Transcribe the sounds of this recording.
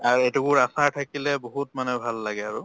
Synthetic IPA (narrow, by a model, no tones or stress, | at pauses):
aɹejtukʊɹasaɹtʰakilɛboɦutmanɛbʱalːaɡɛaɹʊ